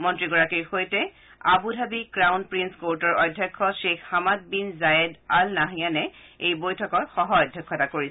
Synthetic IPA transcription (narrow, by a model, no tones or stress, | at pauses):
mɔntɹiɡɔɹakiɹxojtɛ | abudʱabikɹawnpɹinskoɹtɔɹɔjdʱːjɔkʰːɔʃexhamat̚binzaɛdalnaɦijanɛejbojtʰɔkɔtxɔɦɔɔjdʱjɔkʰːɔtakoɹis